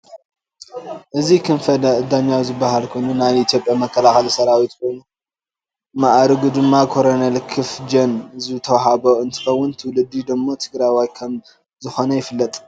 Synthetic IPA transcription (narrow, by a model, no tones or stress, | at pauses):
ʔɨzikʰɨnfɐd̪ɐɨd̪aɲːawzɨbːaɦalkʰo̞jnunajʔit̪ʰjo̞pʼjamɐkʰːɐlaxɐlisɐɾawit̪kʰo̞jnu | maʔɾɨɡud̪ɨmːakʰo̞ɾonɐlkʰɨfd͡ʒɐnzɨt̪ʰɐwɦaβoʔɨnt̪ʰɨ̥xɐwːʊnt̪ʰɨwlɨd̪ːid̪ɨmːo̞t̪ʰɨɡɾajwajkʰɐm | zɨxo̞nɐjɪfɨlːɐt̪ʼ